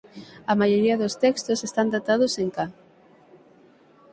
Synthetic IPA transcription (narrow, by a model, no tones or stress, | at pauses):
ɐmajoɾiɐðost̪ɛkst̪osest̪and̪at̪aðʊseŋka